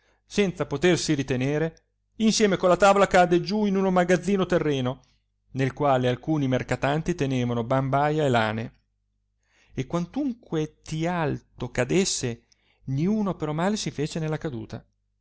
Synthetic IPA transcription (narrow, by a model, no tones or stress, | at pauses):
sɛnt̪sapot̪ersiɾit̪eneːɾe | insjɛːmekonlːat̪aːvolakad̪ːed͡ʒuinunomaɡad̪zːiːnot̪erːeːno | nelkwaːlealkuːnimerkat̪ant̪it̪eneːvanobambajaela̰ːne | ekwant̪uŋkwet̪ialt̪okad̪esːe | niuːnopeɾɔmaːlesifeːt͡ʃenelːakad̪ṵːt̪a̰